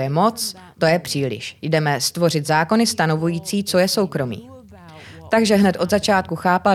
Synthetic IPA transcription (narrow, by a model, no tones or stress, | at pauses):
jɛmo̞t͡s | t̪o̞jɛpr̝̥iːlɪ̰ʃjdɛmɛst̪vo̞r̝ɪt̪zaːko̞nɪst̪ano̞vujiːt͡siːt͡so̞jɛso̞wkɾo̞mḭː | t̪aɡʒɛɦnɛt̪ʔo̞d̪zat͡ʃaːt̪̚kuxaːpa